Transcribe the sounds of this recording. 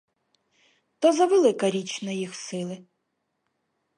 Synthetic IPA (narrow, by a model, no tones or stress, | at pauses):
t̪ɔzɐʋelˠɪkɐɾʲit͡ʃnɐjixsɪlˠɪ